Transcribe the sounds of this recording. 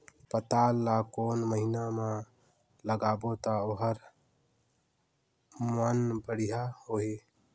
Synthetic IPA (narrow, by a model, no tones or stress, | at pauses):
pət̪alːakonməɦiname | ləɡaːbot̪əoɦəɾ | mənbəɽijaɦoi